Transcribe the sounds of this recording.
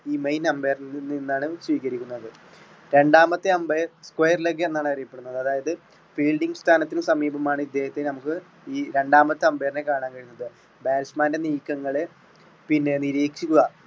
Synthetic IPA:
iːmejnɐmbeːrninːaːɳɨsʋiːkɐɾikʲːunːɐðɨ | ɾe̞ɳɖaːmɐt̪ːeɐmberskwejɐrloːk̬ːenːaːɳɨɐrijɐpːe̞ɽunːɐðɨɐðaːjɐðɨ | fiːɭɖiŋɡɨst̪ʰaːnɐt̪ːinɨsɐmiːbɐmaːɳɨid̪ːe̞ːhɐt̪ːenɐmukːɨ | iːɾe̞ɳɖaːmɐt̪ːɨɐmbeːrine̞kaːɳaːnkɐɻjunːɐðɨ | baːɾsmaːnde̞niːkːɐŋːɐɭe | pinːe̞niɾiːkʂikʲːuɣɐ

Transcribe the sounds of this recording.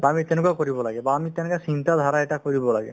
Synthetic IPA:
amit̪enʊkakoɹibɔlaɡɛbaːmit̪enʊkasint̪ad̪ʱaɾaeʈakoɹibɔlaɡɛ

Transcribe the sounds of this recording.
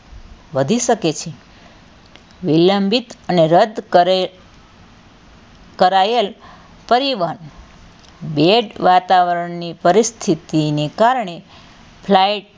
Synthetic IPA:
ʋəd̪ʱiʃəket͡ʃʰe | ʋiləmbʱit̪əneɾəd̪ʱ | kəɾael | pəɾiʋan | beɖʋat̪aʋəɾəɳnipəɾist̪ʰit̪inekaɾɳe | pʰlajʈ̚

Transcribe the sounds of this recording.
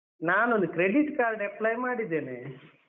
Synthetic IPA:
naːnond̪ukɾeɖiʈkaːlɖeplɐjmaːɽid̪ːeːne

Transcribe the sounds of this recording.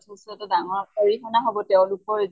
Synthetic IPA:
tʰusɛtadaŋɔɹoɹikʰɔnaɦɔbɔtɛʊ̃lʊkɔɹ

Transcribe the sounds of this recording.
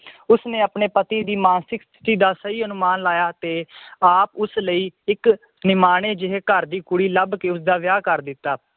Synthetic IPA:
ʊsneːapneːpət̪iːd̪iːmaːnsɪkst̪ʰɪ̥t̪iːd̪aːsəiːənʊmaːnlaːjaːt̪eːaːpʊsləiːɪk | nɪmaːɽ̃eːd͡ʒɪɦeːkəɾd̪iːkʊɽiːləbkeːʊsd̪aːʋjaːkəɾd̪ɪt̪ːaː

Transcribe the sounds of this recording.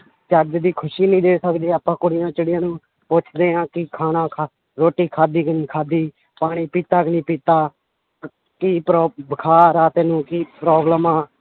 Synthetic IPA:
t͡ʃəd͡ʒd̪iːkʰʊʃiːnĩːd̪eːsəkd̪eːaːpãːkʊɽɪjãːt͡ʃəɽɪjãːnũː | pot͡ʃʰd̪eːãːkɪkʰaːnãːkʰa | ɾoːʈiːkʰaːd̪iːkəniːkʰaːd̪iː | paːɽ̃iːpiːt̪aːkənĩːpiːt̪aː | kipɾɔːbəkʰaːɾaːt̪eːnũːkiːpɾɔːbləmaː

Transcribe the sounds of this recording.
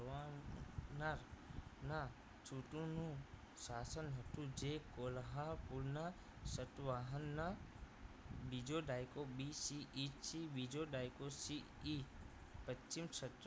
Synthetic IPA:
ʋa | naɾna | t͡ʃʰuʈunũ | saːsənɦɐʈud͡ʒekolɦapulna | sɐʈʋaːɦɐnːa | bid͡ʒoːɖaːjkobisiʔit͡ʃibid͡ʒoɖaːjkosi | i | pət͡ʃt͡ʃːimt͡ʃʰɐt̪ɾ

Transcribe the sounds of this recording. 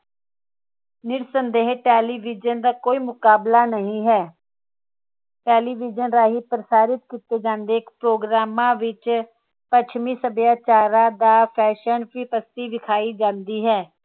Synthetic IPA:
nɪɾsənd̪eːɦʈɛːliːʋɪd͡ʒənd̪aːkoːiːmʊkaːblaːnəɦĩːɦɛː | ʈɛːliːʋɪd͡ʒənɾaːɦiːpɾəsaːɾɪt̪kiːt̪eːd͡ʒãːnd̪eːkpɾoːɡɾaːmãːʋɪt͡ʃ | pət͡ʃʰmĩːsəbjaːt͡ʃaːɾãːd̪aːpʰɛːʃənpɾiːpəst̪iːʋɪkʰaːiːd͡ʒãːnd̪iːɦɛː

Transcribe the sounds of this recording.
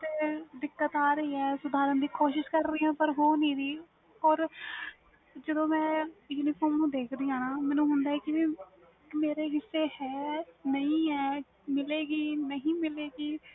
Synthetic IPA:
t̪eːd̪ɪkːət̪aːɾəiːɛːsʊd̪aːɾənd̪iːkoːʃɪʃkəɾːɪːãːpəɾɦoːnĩːɾiː | ɔːɾ | d͡ʒəd̪õːmɛ̃ːinikoːmnũːd̪eːkʰd̪iːãːnaːmɛːnũːɦʊnd̪aːɦɛːkɪ | kmeːɾeːɦɪsːeːhɛːnəĩːɦɛː | mɪleːɡiːnəɦĩːmɪleːɡiː

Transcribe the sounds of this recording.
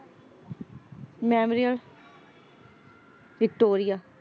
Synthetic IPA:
mɛːmɾijəl | ʋɪk̚ʈoːɾijaː

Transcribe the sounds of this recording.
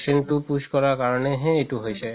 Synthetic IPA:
sintupuskɔɹakaɹɔneɦẽːtuɦojsɛ

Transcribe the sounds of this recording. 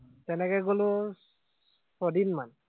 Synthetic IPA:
tɛnɛkɛɡolʊ | sɔdinman

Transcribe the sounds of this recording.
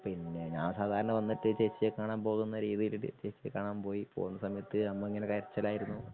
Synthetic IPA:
pinːe̞ɲaːnsaːd̪ʱaːɾɐɳɐʋɐnːiʈːɨt͡ɕeːt͡ɕːiekaːɳaːmpo̞ːɣunːɐɾiːðijil̰t͡ɕeːt͡ɕːiekːaːɳaːmpo̞ːjipo̞̰ːɣunːɐsɐmɐjɐt̪ːɨnɐmːɐiŋːɐnekɐɾɐt͡ɕːɐlaːjiɾunːu

